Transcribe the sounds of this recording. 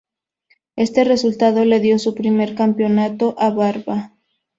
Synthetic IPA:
e̞st̪e̞re̞sult̪að̞o̞le̞ðjo̞supɾime̞ɾkampjo̞nat̪o̞ʔaβaɾβa

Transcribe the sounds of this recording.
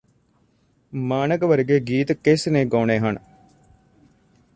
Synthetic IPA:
maːnəɡʋəɾɡeːɡiːt̪kesneːɡoːneːɦɐn

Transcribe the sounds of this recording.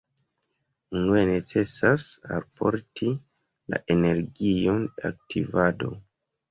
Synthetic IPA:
unuene̞t͡se̞sasa̰lpʰo̞̰ɾti | la̰ʔene̞ɾɡio̞na̰k̚tʰivado̞̰

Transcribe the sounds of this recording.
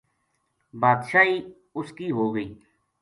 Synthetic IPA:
baːd̪ʃaːiː | ʊskiːɦoːɡəiː

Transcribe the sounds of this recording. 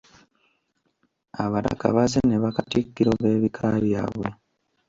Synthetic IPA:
aβaɾa̰ka̰βazeneβakatikːiɾoβe̞ːβikʰaβja̰ːβwe̞

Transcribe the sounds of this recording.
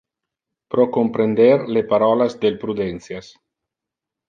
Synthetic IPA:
pɾokompɾend̪eɾlepaɾɔlazd̪elpɾud̪ɛnsjas

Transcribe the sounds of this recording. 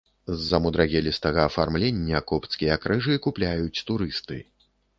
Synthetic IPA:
zːɐmud̪ɾaɣʲɛlʲist̪ɐɣɐːfarmlʲenʲːɐkɔpt̪skʲijɐkɾɨʐɨkuplʲajut͡sʲt̪uɾɨst̪ɨ̰

